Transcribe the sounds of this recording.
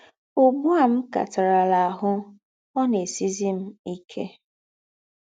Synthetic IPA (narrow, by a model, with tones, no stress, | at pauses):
ʊ˦ɡ͡bu˦a˦˨m̩˦ka̰˨ta˨ɾa˨la˨a˨ɦʊ˦ | ɔ˦ne˨si˦zi˦m̩˦i˦kʰḛ˦